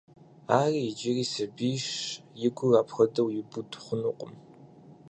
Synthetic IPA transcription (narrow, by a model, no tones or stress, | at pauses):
aːriːjɪd͡ʒɪriːsɐbiːʃjɪɡʷʊraːpxɐdɐwjɪbʊdχʷʊnuqʷʼʊ̰m